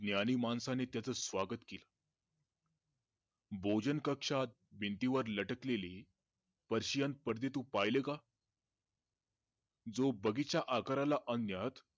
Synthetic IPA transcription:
d̪njaniːmansanet̪jat͡səsʋaɡət̪kila | bʱod͡ʑənkəkʂat̪̚bʱint̪iʋəɾləʈəkleliː | pəɾɕijan̚pəɾd̪et̪uːpajleka | d͡zobəɡit͡ɕaʔakəɾalaʔənjat̪

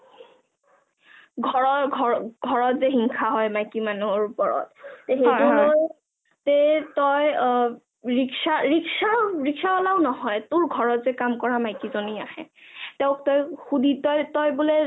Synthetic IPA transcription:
ɡʱɔɹɔɡʱɔɡʱɔɹɔtzeɦiŋkʰaɦɔjmajkimanuɹupɔɹɔ̰tːeɦetuloj | tetɔj | ɹiksaɹiksaɹiksaɔlaʊnɔɦɔjtʊɹɡʱɔɹɔtzɛkamkɔɹamajkizoniahɛ̰tɛʊktɔjxuditɔjtɔjbule

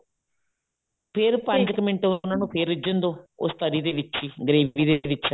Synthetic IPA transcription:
pʰɪɾpə̃ɲd͡ʒkəmɪ̃ɳʈeʊnãːnũːpʰeːɾɪd͡ʒənd̪õːʊ̰st̪əɾiːd̪eːʋɪtːt͡ʃʰiːɡəɾeːʋiːd̪eʋɪʃ

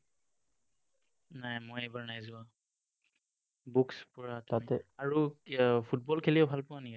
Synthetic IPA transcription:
najmojejbaɹnajzʊa | bukspɔɹatatɛaɹupʰut̚bɔlkʰeliɛbʱalpʊaniɡɛ

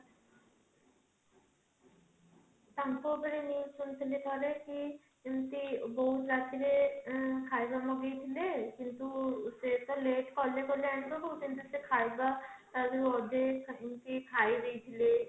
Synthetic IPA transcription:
t̪ampobəɾinisunt̪ʰilekɔɾeki | int̪ibɔɦut̪ɾat̪ʰiɾekʰajbamɔɡejt̪ʰilekint̪uset̪ɔleʈkɔɾlekɔɾleank̪obɔɦut̪int̪usekʰajbat̪abiɔd̪ekimt̪ikʰajd̪ejt̪ʰile

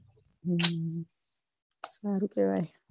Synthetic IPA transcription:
saɾukʼɛwaj

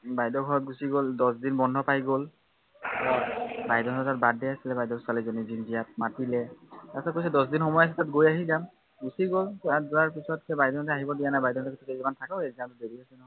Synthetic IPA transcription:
bajdɔɡʱɔɹɔt̚ɡusiɡoldɔsdinbɔndʱɔpajɡol | ɔbajdɔɦɔtɔtat̚badɛasilɛbajdɔsalizɔnizinzijat̚matilɛtasakojs̬ɛdɔs̬dinxɔmɔjas̬ɛtatɡojaɦizam | ɡusiɡolkɔaduaɹpisɔtkɛbajdɔɔntɛaɦibɔdijanajbajdɔɔntɔkitʰukɛzimantʰakaeziatʊdeɹiasɛnɔɦɔj

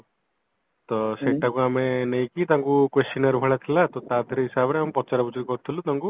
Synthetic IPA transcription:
t̪ɔseʈakuamenej̃kit̪ãŋkukwest͡ʃinaɾbʱɐɭat̪ʰilat̪ɔt̪aːd̪ʰʱiɾeɦisabɾeampɔt͡ʃaɾabut͡ʃʰit̪kɔt̪ʰːilut̪aŋku

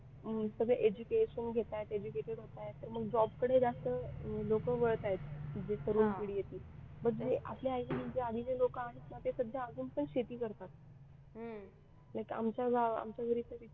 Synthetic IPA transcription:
əsəɡɭəʔed͡ʑukeɕənɡʱet̪ajet̪ed͡ʑukeʈeɽɦot̪ajet̪ːəɾməɡd͡ʑɔbkəɽed͡zast̪əlokəʋəɭt̪ajet̪d͡zek̪ʰəɾuːnpiɽijet̪iːbəɡeʔa̰pleajmənd͡zead̪ʱinelokaɽ̃it̪mat̪esəd̪ʱjaːd͡zuːnpəɳɕet̪iːkəɾt̪at̪ | ɦ | lajka̰mt͡ɕaɡaa̰mt͡ɕjaɡʱəɾit̪əʋi

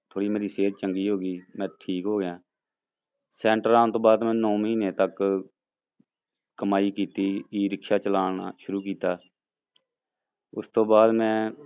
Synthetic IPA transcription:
t̪ʰoːɽiːmeːɾiːseːɾt͡ʃəŋɡiːɦoːɡiːmɛ̃ːʈʰiːkɦoːɡɪjãː | sɛ̃ːɳʈəɾaːnt̪õːbaːd̪mɛ̃ːnɔːməɦiːneːt̪ək | əmaːiːkiːt̪iːiːɾɪkʃaːt͡ʃəlaːna̰ːʃʊɾuːkiːt̪aː | ʊst̪õːbaːd̪mɛ̃ː

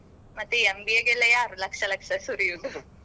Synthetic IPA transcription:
mɐt̪ːeembieɡelːɐjaːɾulɐkʂɐlɐkʂɐsuɾijud̪u

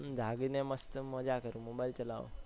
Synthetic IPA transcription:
d͡ʒʱaɡineməst̪əmɔd͡ʒakəɾũmobailt͡ʃəla̰ʋ̰

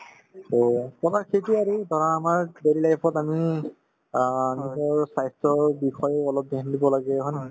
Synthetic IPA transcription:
okɔbakʰetiaɹidʱɔɹaːmaɹbeɹilajpʰɔtami | nɔtɔɹsajstɔɹbixɔjɔlɔp̚dendibɔlaɡɛɦɔn

